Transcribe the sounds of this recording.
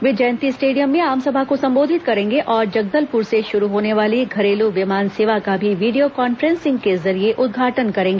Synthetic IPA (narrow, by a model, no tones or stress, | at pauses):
ʋɪd͡ʒɛːnt̪isʈeːɖijəmːẽaːmsɐbʱakosɐ̃mboːd̪ʱɪt̪kɐɾẽːŋɡeʔɔːɾd͡ʒɐɡ̚d̪əlpʊɾseʃʊɾuɦoːneʋaːliɡʱɐɾeːluʋɪmaːnseːʋakabʱiʋiːɖijokɔːnfɾɛ̃nsɪ̃ŋɡ̚kezɐɾieʔʊd̪̚ɡʱaːʈənkɐɾẽːŋɡeː